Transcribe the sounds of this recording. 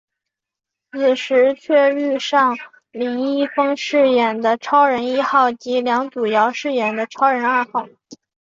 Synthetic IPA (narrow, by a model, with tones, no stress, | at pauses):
t͡sɹ̩˨˩ʂɻ̩˧˥t͡ɕʰɥɛ˥˧ɻy˥˧ʂɑ˥˩ŋ | li˧˥ŋi˥˩fɤ˥ŋʂɻ̩˥˩jɛ˨˩nd̪ə˦ʈ͡ʂʰɑ˥ʊɻə˧˥ni˥xɑ˥˩ʊt͡ɕi˧˥ljɑ˧˥ŋt͡su˨˩jɑ˧˥ʊʂɻ̩˥˩jɛ˨˩nd̪ə˦ʈ͡ʂʰɑ˥ʊɻə˧˥na˞˥˧xɑ˥˩ʊ